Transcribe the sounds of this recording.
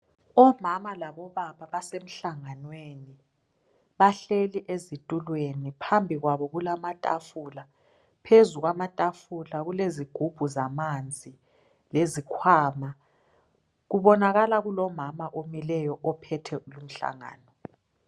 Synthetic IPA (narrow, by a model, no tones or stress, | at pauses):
ɔmamalaβɔβaβaβasem̩ɬaŋanweni | βaɬeliʔezitʼulwenipʰambʱiɣwaβɔɣulamatʼa̰fula | pʰezuɣwamatʼafulaɣuleziɡ̥ʱub̥ʱuzamand͡zʱi | lezikʰwaːma | ɣuβɔnaɣalaɣulɔmamaʔomilɛjɔʔɔpʰɛtʰɛulum̩ɬa̰ŋa̰ːnɔ